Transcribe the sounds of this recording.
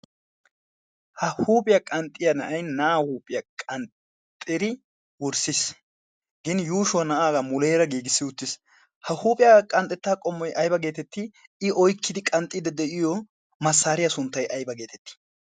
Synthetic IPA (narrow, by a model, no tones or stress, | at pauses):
hɐhuːpʼɪjɐkʼɐnt̪ʼːɪjɐnɐʔɐjnɐaːhuːpʼɪjɐkʼɐnt | t̪ʼːɪɾɪ | wɔɾsɪs | ɡɪnjuːʃʊwɐnɐʔaːɡɐmʊleːɾɐɡiːɡɪsːɪʊt̪ːɪs | hɐhuːpʼɪjɐkʼɐnt̪ʼɛt̪ːaːkʼɔmːɔjʔɐjbɐɡe̞ːt̪ɛt̪ːɪ | ɪʔɔjkːɪd̪ɪkʼɐnt̪ʼːɪd̪ɛd̪ɛʔɪjɔ | mɐsːaːɾɪjɐsʊnt̪ːɐjʔɐjbɐɡe̞ːt̪ɛt̪ːɪ̥